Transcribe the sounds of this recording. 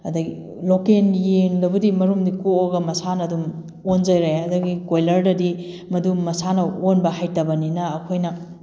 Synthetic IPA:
ɐdɐɡi | lokenjeŋdɐbɐdimɐɾumdikuoɡɐmɐsanɐdum | ond͡ʒɐjɾajɐdɐɡikojlɐɾdɐdi | mɐdumɐsanɐonbɐhajtɐbɐninɐːkʰojnɐ

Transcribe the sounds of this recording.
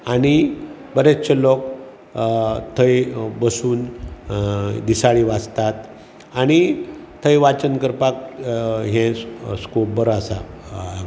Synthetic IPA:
ani | bəɾet͡st͡ɕelɔk | t̪ʰəjbəsuːn | d̪isaɭiʋad͡zt̪at̪ | añit̪ʰəjʋat͡ɕənkəɾpakɦɛ̃skobəɾasa̰

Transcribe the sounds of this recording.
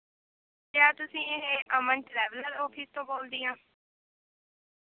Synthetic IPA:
t̪jaːt̪ʊsĩːeɦeʔəməɳʈɾɛːʋləɾɔːpʰiːst̪õːboːld̪iːãː

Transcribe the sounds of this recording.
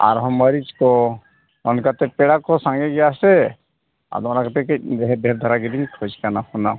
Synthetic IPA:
a̰ɾɦəmːəɾid͡ʒko | ɔnkat̪epeɽakosãŋɡeɡɛjase | a̰d̪onakt̪ekded̪ʱeɾd̪ʱəɾaɡid̪inkʰod͡ʒkanakona

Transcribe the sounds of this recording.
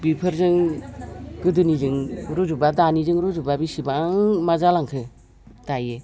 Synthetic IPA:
bipʰɯɾzɯŋ | ɡɯdɯnizɯŋɾuzubadanizɯŋɾuzubabisibaŋmazalaŋkʰɯ | d̥ajɯ

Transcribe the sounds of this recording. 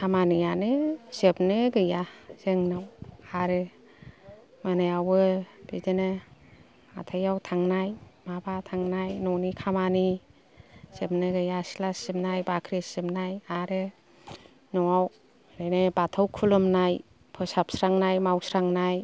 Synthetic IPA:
kʰamanijanɯsep̚nɯɡɯjaz̥eŋnawaɾɯ | manejawɯb̥idene | a̰tʰajawtʰaŋnajmabatʰaŋnajnɔnikʰamani | sep̚nɯɡɯjasilasimnajbakʰɾesimnajaɾɯ | nɔaw | ɾenebatʰawkʰulɯmnaj | pʰɔsap̚sɾaŋnajmawsɾaŋnaj

